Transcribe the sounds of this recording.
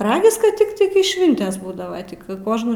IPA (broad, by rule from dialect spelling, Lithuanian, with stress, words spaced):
ˈrɑːɡʲɪs kɐt ˈtʲɪktɐɪ kɐɪ ˈʃʲʋʲɪnʲtʲeːs ˈbuːdɐʋɐ tʲɪk ˈkoːʒnuː